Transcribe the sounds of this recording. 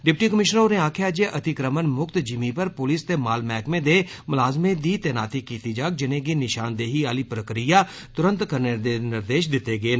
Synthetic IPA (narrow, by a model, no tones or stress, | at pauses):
ɖɪpʈiːkəmɪʃnəɾoːneaːkʰjaːd͡ʒeʔət̪ɪkɾəmənmʊkt̪d͡ʒɪmipəɾpʊlist̪eːmaːlmɛːkmẽd̪eːmʊlaːzmẽd̪iːt̪ɛːna̰ːt̪ikiːt̪id͡ʒaːk̚d͡ʒɪnẽːɡinɪʃaːnd̪eːɦiaːliːpɾəkɾijaː | t̪ʊɾə̃nt̪kəɾned̪enɪɾd̪eːʃ̬d̪ɪt̪ːeːɡeːn